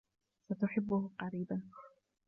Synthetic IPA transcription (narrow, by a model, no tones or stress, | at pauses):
sat̪ʊħɪbːʊhqɑɾiːban